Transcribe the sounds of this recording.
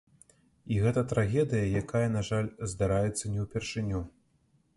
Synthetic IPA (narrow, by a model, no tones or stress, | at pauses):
iɣɛt̪ɐt̪ɾaɣʲɛd̪ɨjɐjakajɐnaʐalʲzd̪aɾajɛt̪sːɐnʲɛwpʲɛrʂɨnʲu